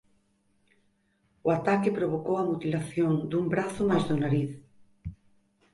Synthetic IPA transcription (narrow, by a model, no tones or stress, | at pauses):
ʊat̪akɪpɾoβ̞okowamut̪ilaθjoŋd̪umbɾaθʊmajzðonaɾiθ